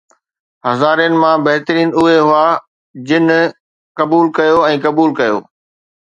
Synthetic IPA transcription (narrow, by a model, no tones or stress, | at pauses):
ɦɐzaːɾijənɪ̆mãbɐɦt̪əɾiːnʊɦeɦʊa | d͡ʑɪn | kɐbuːlkɐjoɛ̃ːkɐbuːlkɐjo̰ː